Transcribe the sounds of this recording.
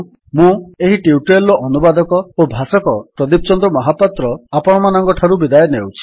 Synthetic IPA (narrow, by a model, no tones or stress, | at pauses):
mũeɦiʈiuʈelːɔʔɔnubad̪ɔkɔobʱasɔkɔpɾɔd̪ipɔt͡ʃɔnd̪ɾɔmɔɦapat̪ɾɔapɔɽ̃ɔmanɔŋkɔʈʰaɾubid̪ajɔnewt͡ʃʰi̥